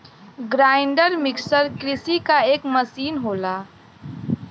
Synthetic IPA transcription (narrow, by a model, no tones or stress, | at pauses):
ɡɾaːɪɳɖəɾmɪksəɾkɾɪsikaeːkmɐsiːnɦoːlaː